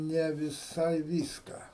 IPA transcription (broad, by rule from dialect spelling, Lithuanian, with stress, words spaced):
nʲɛ ʋʲɪˈsɐɪ ˈʋʲiːskɑː